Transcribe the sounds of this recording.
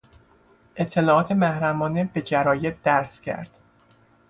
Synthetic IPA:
ʔe̞t̪ʰːe̞lɒːɒːt̪ʰe̞mæhɾæmɒːnebe̞d͡ʒæɾɒːjeb̚d̪̥æɾscʰæ̰ɾd̪̥

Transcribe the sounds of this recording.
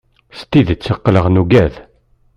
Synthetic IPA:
st̪iðt͡sːəqːləʁnuɡæð

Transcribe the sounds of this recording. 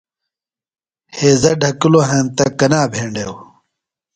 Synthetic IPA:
heːzɐɖʱɐkiloɦẽːnt̪ɐkɐnaːbʱeːɳɖew

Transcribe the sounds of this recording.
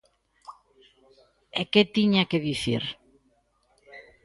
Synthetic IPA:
eket̪iɲakeðiθḭɾ

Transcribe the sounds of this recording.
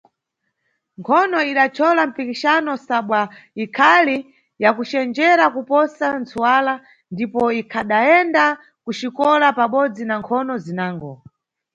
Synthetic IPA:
ŋkʰɔnɔiɗat͡ʃʰɔlam̩pikiʃanɔsaɓwaikʰali | jakut͡ʃɛnd͡ʒɛɾakupɔsant͡suwala | ndipɔikʰaɗaɛnda | kut͡ʃikɔlapaɓɔd͡zinaŋkʰɔnɔzinaːŋɡɔ

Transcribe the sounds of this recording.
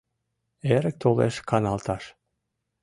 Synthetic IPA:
eɾək̚t̪olḛʃkɑnɑlˠt̪ɑʃ

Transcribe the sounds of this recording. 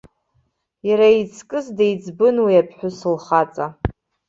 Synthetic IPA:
jaɾait͡sʰkʼɨzdajd͡zbɨnwiapʰħʷᶣʊsɨlχat͡sʼa

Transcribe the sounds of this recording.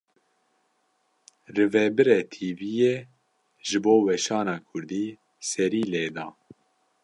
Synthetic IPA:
rɨvɛbɨɾɛt̪ʰiːvije | ʒɨboːwɛʃɑːnɑːkʰʊɾd̪iː | sɛɾiːleːd̪ɑː

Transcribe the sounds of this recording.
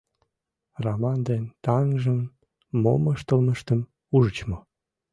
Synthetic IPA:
romɑnd̪ent̪ɑŋʒəmː | o̰məʃt̪əlməʃt̪əm | uʒət͡ɕmo

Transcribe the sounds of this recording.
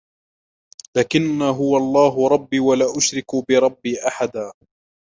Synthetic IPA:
laːkɪnːaːɦʊwaɑlˤːɑːɦʊɾˤɑbːiːwalaːʔʊʃɾɪkbɪɾˤɑbːiːʔaħad̪aː

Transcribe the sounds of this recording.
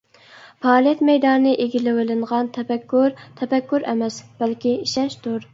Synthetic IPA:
pɑːlˠijɛt̪mɛjd̪ɑnɨnɨʔeɡʲilɪwɪlɪɴʁɑnt̪ʰɛpɛkʲːuɾt̪ʰɛpɛkʲːuɾɛmɛsb̥ælkʲiiʃɛʃt̪uɾ

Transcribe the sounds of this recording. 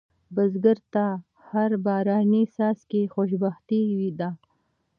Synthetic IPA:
bazɡəɾt̪a | haɾbɑɾɑnisɑskexoʃbaxt̪iwid̪a

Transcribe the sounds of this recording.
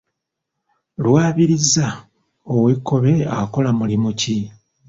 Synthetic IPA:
lwaːβiɾiza | oweko̞βeako̞lamulimuci

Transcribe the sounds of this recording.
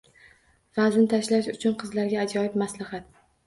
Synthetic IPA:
vaznɪt̪ʰaʃlaʃʊt͡ʃʰʊnqʰɨzlaɾɡʲaːd͡ʒɒjɪbmaslahat̪̚

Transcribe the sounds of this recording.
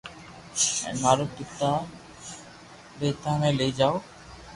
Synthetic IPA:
ɛ̰naɾokːit̪ːa | bejt̪anelejd͡ʒao

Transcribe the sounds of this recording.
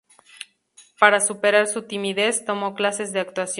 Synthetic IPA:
paɾasupe̞ɾaɾsut̪imiðe̞st̪o̞mo̞klase̞zðe̞ak̚t̪wasj

